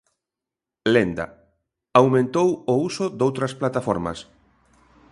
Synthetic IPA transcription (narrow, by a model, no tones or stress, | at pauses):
lend̪a̰ | awmẽnt̪owʊusʊd̪owt̪ɾɐsplat̪afɔɾmɐ̰s